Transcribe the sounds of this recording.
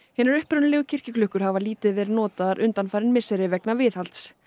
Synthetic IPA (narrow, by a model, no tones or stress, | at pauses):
hɛːnɪɾʏhpɾœnlɛɣʏcʰɪr̥cɪklʏhkʏɾ̥havaliːt̪ɪðvɛːɾɪnɔːt̪aðaɾʔʏnt̪anfajɾɪnmɪsɛɾɪvɛknavɪθhal̥t̪s